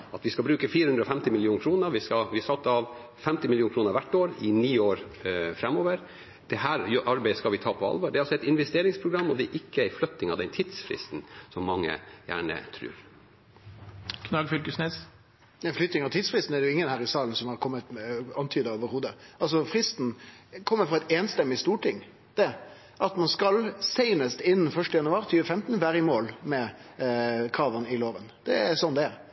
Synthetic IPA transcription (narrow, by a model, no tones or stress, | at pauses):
ɑt̪ʋɪskɑlbɾʉːkəfiːɾəhʉnd̪ɾɔfɛmt̪ɪmɪlɪjuːnkʰɾuːnəɾʋɪskɑʋɪɑsɑt̪ːɑʋ | fɛmt̪ɪmɪljuːnkʰɾuːnəɾʋæʈːoːɾɪniːoːɾfɾɛmːoːʋəɾ | d̪̥ɛhæːɾjʔɑɾbæɪəskɑlʋɪt̪ʰɑːpʰɔɑ̰lʋoːɖɛɾɑsɔɛɪt̪ɪnʋɛst̪eːɾɪŋspʰɾʊɡɾɑmːɔd̪ɛɛʔɪkːəæflœt̪ːɪŋɑʋd̪ɛnt̪ʰiːd̪̥sfɾɪ̰st̪n̩sɔmːɑŋːə̰jæ̰ːɳə̰t̪ʰɾʉ̰ːɾ | kʰnɑɡfʏlkəsneːs | æflʏt̪nɪŋɑʋt̪ʰiːd̪sfɾɪst̪n̩ædɖɛjʊɪŋːənhæːɾɪsɑːln̩sɔmhɑɾkʰɔmːət̪ɑnt̪ʰyːd̪əoːʋəɾhuːd̪əʔɑls̬ɔfɾɪst̪n̩kʰɔmːəfʁɔɛɪt̪eːnst̪ɛmːɪst̪uːʈʰɪŋː | d̪̥ɛ | ʔɑt̪mɑnskɑlseɪnəst̪ɪnːn̩fœʂʈəjɑnʉɑːɾt̪ʰyːʋəfɛmt̪n̩ʋæːɾəɪmoːlmɛ | kʰɾɑːʋənɪloːʋənd̪̥ɛæɾsɔnːd̪ɛ